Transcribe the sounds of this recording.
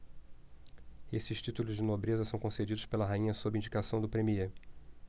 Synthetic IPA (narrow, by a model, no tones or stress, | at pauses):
esɪʃt͡ʃit̪ulʊzd͡ʒɪnobɾezɐsɐ̃w̃kõsed͡ʒid̪ʊʃspelɐɦaĩɲɐsobɪĩɲd͡ʒikasɐ̃w̃d̪ʊpɾemie